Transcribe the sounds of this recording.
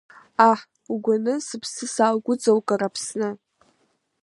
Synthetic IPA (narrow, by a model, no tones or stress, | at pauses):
aħ | uɡʷanɨsɨpʰsɨsaːlɡʷʊd͡zʼawkʼarapʰsnɨ